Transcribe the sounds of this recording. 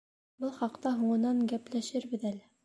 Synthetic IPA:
bɤlˠχɑqt̪ɑɦuɴɤ̆nɑŋɡæplæʃɘɾbɘ̆ðælɘ

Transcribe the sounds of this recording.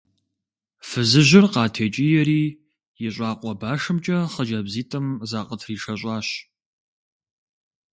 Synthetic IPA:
fɨzɨʑɪrqɑːtʰeːt͡ʃʼijɛɾiː | jɪɕʷʼɑːqʷʼɔbaːʂɨmt͡ʃʼɐχəd͡ʒɐbziːtʰʼɐmzaːqʼətʰriːʂɐɕʷʼɑːɕ

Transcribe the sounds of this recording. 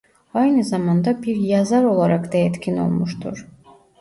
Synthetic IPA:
ɑjnɯzɑmɑnd̪ɑbiɾjazɑɾo̞lˠaɾakd̪ɑɛt̪cʰʲino̞̰lˠmuʃt̪ʰṵɾ̥

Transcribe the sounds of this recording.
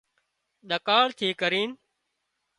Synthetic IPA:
ɗəkaːɭt̪ʰiːkəɾiːn

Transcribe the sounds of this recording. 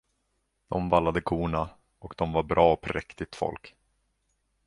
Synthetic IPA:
d̪̥ɔmvalːad̪əkʰuːɳa | ʔɔkd̪̥ɔmvaɾbɾɑːɔpʰɾɛkt̪ɪɡ̚t̪fɔ̰lk

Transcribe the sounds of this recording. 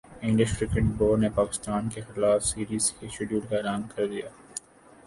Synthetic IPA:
ɪ̃ɳɖɪʃʈɾɪkɪʈboːɾnepaːkɪ̥st̪aːnkexɪlaːfsiːɾiːzkeʃʊɖjuːʈkaɪlaːmkɐɾd̪ijaː

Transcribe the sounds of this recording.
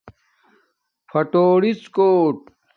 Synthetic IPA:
fʰɐʈoːɽit͡skoːʈ̚

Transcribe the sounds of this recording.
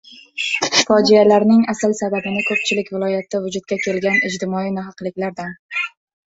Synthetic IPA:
fɒd͡ʒɪjalaɾnɪŋasɪlsad̪abɪnɪkʰɵp̚t͡ʃʰɪlɪkʲvɪlˠɒjat̪ʰːɪvʊd͡ʒʊt̪̚kʲakʲʰe̞lɡʲanɪd͡ʒt̪ʰɪmɒinɪɦɑqlˠɪkʲlaɾd̪an

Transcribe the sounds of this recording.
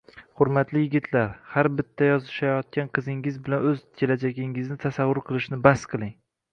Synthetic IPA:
χʊɾmat̪lɪjɪɡʲɪt̪ʰlaɾhaɾbɪt̪ʰːajɒzɪʃajɒt̪̚kʲanqʰɨzɪŋɪzbɪlanɵzkʲʰe̞lad͡ʒaɡʲɪŋɪznɪt̪ʰasavːʊɾqʰɨlˠɪʃnɪbasqʰɨlˠɪŋ

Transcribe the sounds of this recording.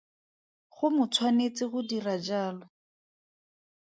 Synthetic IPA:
χʊmʊt͡sʰwanet͡sɪχʊdirad͡ʒaːlɔ

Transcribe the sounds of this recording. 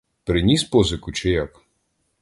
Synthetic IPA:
pɾɪnʲispɔzɪkʊt͡ʃɪjak

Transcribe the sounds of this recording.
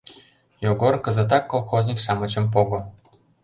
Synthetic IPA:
joɡorkə̆zĕt̪̬ɑkːolˠxozʲnʲikʃɑmə̆t͡ɕə̆mp̬oɣŏ

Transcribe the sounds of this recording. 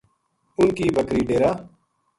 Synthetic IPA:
ʊnkiːbəkɾiːɖeːɾaː

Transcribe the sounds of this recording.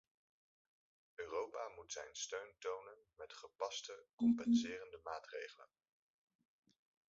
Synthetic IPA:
øːrowpaːmutsɛ̰jnstøɥntownənmɛtχəpɑstəkɔmpɛnsɪːrəndəmaːtrḛjχələ̰n

